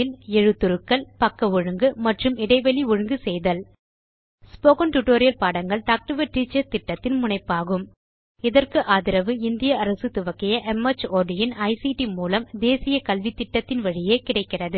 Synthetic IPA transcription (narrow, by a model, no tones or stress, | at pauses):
ɪlɛɻɯt̪ːʊɾɯkːɐlpɐkːɐɔɻɯŋɡɯmɐʈrɯmɪɽɐɪʋɐɭiɔɻɯŋɡɯsɛjðɐl | spoːɣɐnʈʊʈoːɾɪjɐlpaːɽɐŋɡɐɭt̪ak̚ʈɯʋɐʈɾit͡ʃːɐt̪ɪʈːɐt̪ːɪnmʊɳɐɪpːaːɣɯm | ɪðɐrkɯʔaːðɪɾɐʋɯɪnd̪ɪjɐɐɾɐsɯt̪ʊʋɐkːɪjɐʔɛmɐt͡ʃːoːɖɪjɪnɐɪsiʈimuːlɐmd̪eːsɪjɐkɐlʋit̪ːɪʈːɐt̪ːɪnʋɐɻɪjeːkɪɽɐɪkːɪrɐðɯ